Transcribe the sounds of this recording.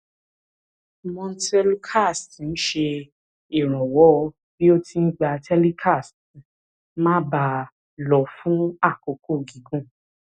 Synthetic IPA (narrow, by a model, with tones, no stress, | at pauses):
mɔ̃˧n̩˦tɛ˦lkʰa˦˨stn̩˦ʃe˧ | i˦˨ɾ̃ɔ̃˨wɔ˨˦˧ | bi˦o˦ti˧n̩˦ɡ͡ba˧tɛ˦li˦kʰa˦˨st | mã˦ba˧˨ | lɔ˨fũ˦a˦˨ko˨kʰo˦˨ɡi˨ɡũ˦˨